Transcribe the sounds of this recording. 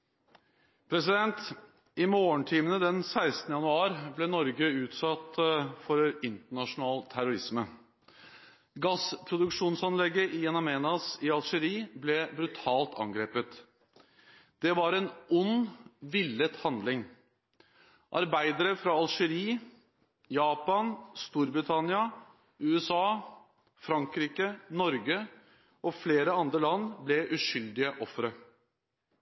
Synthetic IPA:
pʰɾɛsɪd̪ɛnt̪ | ɪmoːəɳʈʰiːmənəd̪ɛnsæɪst̪nəjɑnʉɑːɾblɛnɔɾɡəʉːt̪sɑt̪fɔɾɪnt̪əɳɑʂʊnɑːlt̪ʰæɾʊɾɪsmə | ɡɑspʰɾʊd̪ʉkʂuːnsɑnlɛɡːəʔɪɛnɑmeːnɑsɪɑlʂəɾiːblɛbɾʉt̪ʰɑːlt̪ʰɑ̰ŋɡɾeːpət̪ | d̪̥ɛʋɑɾɛnʔʊnːʋɪlːət̪hɑnd̪lɪŋ | ʔɑ̰ɾbæɪd̪əɾəfɾɑɑlʂəɾiː | jɑːpɑnst̪uːɾbɾɪt̪ʰɑnɪɑ | ʉːɛsɑː | fɾɑŋkɾiːkənɔɾɡə | ɔfleːɾəɑnd̪ɾəlɑnːblɛʔʉʂʏld̪ɪəʔɔfːɾə

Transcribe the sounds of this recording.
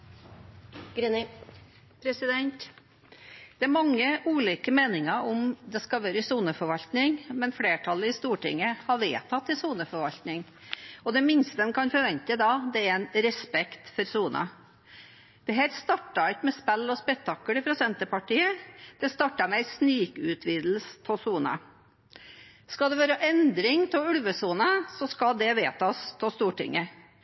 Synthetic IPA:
ɡɾen | pʰɾɛsɪd̪ɛnt̪ | d̪̥ɛæɾmɑŋːəʔuːliːkəmeːnɪŋɑɔmd̪ɛskɑʋøːɾəɪsuːnəfɔɾʋɑlt̪nɪŋmɛnfleːʈʰɑlːəɪst̪uːʈɪ̰ŋːəhɑɾʋeːt̪ʰɑt̪ːɪsuːnəfɔɾʋɑlt̪nɪŋ | ɔd̪ɛmɪnst̪əɛnkʰɑnfɔɾʋɛnt̪əd̪ɑd̪ɛæɾænɾɛspɛkt̪fɔɾsuːnʔə̰ | d̪̥ɛɦæːɾst̪ɑʈːɑɪkmɛspælːɔspɛkt̪ʰːɑkːəɽɪfɾʊsɛnt̪əpɑʈiːəd̪̥ɛst̪ɑʈːɑmɛɪsnyːkʉt̪ʰʋiːd̪l̩st̪ʰɔsuːnə̰ | skɑld̪ɛʋɑːɾəʔɛnd̪ɾɪŋt̪ʰɪʉlʋəsuːnəsɔskɑd̪ɛʋeːt̪ʰɑst̪ʰɔst̪uːʈɪ̰ŋːə

